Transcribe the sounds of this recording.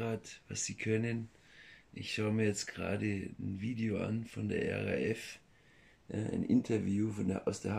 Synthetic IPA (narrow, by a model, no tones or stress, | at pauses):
aːtvasz̥iːkʰœnən | ʔɪçʃaʊəmiːɐjɛt͡stɡ̥əʁa̰ːdənviːdeoa̰nfɔndḛːɐʔɛ̰ʁa̰ʔɛf | ʔaʔa̰ɪnʔɪntʰɐvjuːfɔneʔaʊsd̥eːɐh